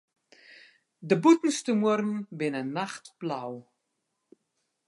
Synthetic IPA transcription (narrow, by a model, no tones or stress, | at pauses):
dəbutn̩stəmuərn̩bɪnənaχtb̥law